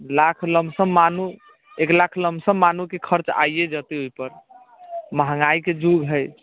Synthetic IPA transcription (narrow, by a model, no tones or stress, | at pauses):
lakʰləmbsəmːanu | eklakʰləmsəmːanukekʰəɾt͡ʃa̰jjed͡ʒət̪eojpəɾ | məɦəŋaiked͡ʒuɡɦəj